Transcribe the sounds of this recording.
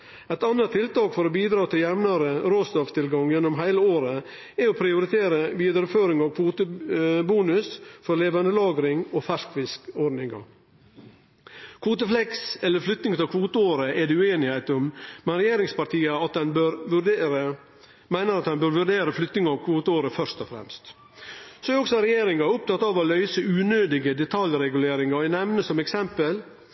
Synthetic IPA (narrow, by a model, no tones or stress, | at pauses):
ɛɪt̪ɑnːət̪ʰːɪlt̪ɑːkfɔɾɔbiːd̪ɾɑːt̪ʰɪljɛmnɑɾəɾoːsd̪ɔft̪ʰɪlɡɑŋjɛnːɔmɦæɪləoːɾə | ɛɔpʰɾɪʊɾɪt̪ʰeːɾəbiːd̪ɾəføːɾɪŋɑʋkʰʋuːt̪əbuːnʉsfɔɾleːʋɑnd̪əlɑːɡɾɪŋɔfæʂkʋɪskɔɖnɪŋɑ̰ | kʰʋuːt̪əflɛksɛlːəɾflʏt̪nɪŋt̪ɪlkʰʋuːt̪əoːɾəɛɖɛʉeːnɪhæɪt̪ʊmmɛnɾɛjeːɾɪŋspɑɾʈ̪iːəɑt̪̚d̪ɛnbøɾʋʉɖɾə | mæɪnəɾɑt̪ɛnbøɾʋʉɖeːɾəflʏt̪nɪŋəɑʋkʰʋuːt̪əoːɾəfœɾʂt̪ɔfɾɛ̰mst̪ | sɔɛæɾɔksɔɾɛjeːɾɪŋɑʊp̚t̪ʰɑt̪ːɑʋɔlœʏsəʉːnøːd̪ɪɡəd̪ɛt̪ʰɑljɾɛɡʉleːɾɪŋɑæɪnɛʋnəsɔmɛksɛmpəl